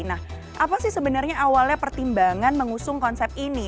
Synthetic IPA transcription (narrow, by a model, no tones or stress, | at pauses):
nah | ʔapasɪhsəbənarɲaʔawalɲapərt̪imbaŋanməŋusʊŋkɔnsɛp̚t̪ini